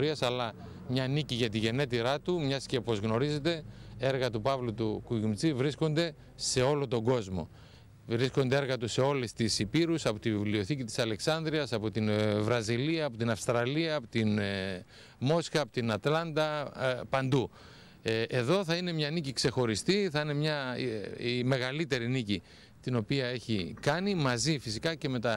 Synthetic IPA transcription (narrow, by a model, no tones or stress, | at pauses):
ɾiɐsɐlɐ | mɲɐniciʝɐt̪iʝe̞ne̞t̪iɾɐt̪umɲɐsce̞po̞zɣno̞ɾize̞t̪e̞e̞ɾɣɐt̪upɐvlut̪ukuʝumt͡sivɾisko̞nd̪e̞ | se̞o̞lo̞t̪o̞ŋɡo̞zmo̞̰ | vɾisko̞nd̪e̞eɾɣɐt̪use̞o̞lest̪isipiɾusɐpo̞t̪ivivlio̞θicit̪i̥sɐle̞ksɐnd̪ɾiɐsɐpo̞t̪invɾɐziliɐːpo̞t̪inɐfst̪ɾɐliɐːpot̪in | mo̞sxɐːpot̪inɐt̪lɐnd̪ɐpɐnd̪u | e̞ðo̞θɐine̞mɲɐnicikse̞xo̞ɾist̪iθɐine̞mɲɐ | ime̞ɣɐlit̪e̞ɾinici | t̪ino̞piɐe̞çikɐnimɐzifisikɐce̞me̞t̪ɐ